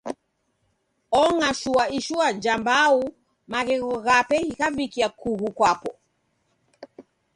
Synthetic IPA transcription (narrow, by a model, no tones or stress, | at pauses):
ɔŋaʃuaiʃuad͡ʒambau | maɣɛɣɔɣapɛhikavikiakuɣukwapɔ